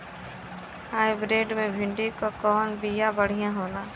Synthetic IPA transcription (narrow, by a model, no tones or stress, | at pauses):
haːɪbɾeːɖmẽbʱɪ̃ɳɖikakɔːnbijaːbəɽ̤ijãːɦoːlaː